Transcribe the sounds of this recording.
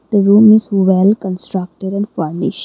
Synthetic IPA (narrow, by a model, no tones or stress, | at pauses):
d̪̥əɾũːmɪzʋɛlkə̃nsʈɾək̚ʈəɖɛ̃nɖfəɾnɪ̰ʃʈ